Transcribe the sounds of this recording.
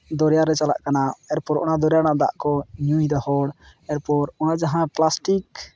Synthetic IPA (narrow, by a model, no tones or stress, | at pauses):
d̪ɔɾjaɾɛt͡ʃala̰ʔkanaɛɾpɔɾʔɔ̰nad̪ɔɾjaɽ̃ad̪a̰ʔkɔɲujd̪ɔhɔɽ | ɛɾpɔɾɔnad͡ʒaɦãplasʈik